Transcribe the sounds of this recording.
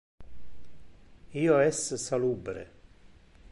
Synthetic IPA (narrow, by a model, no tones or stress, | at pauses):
ioɛssɑluːbɾə̰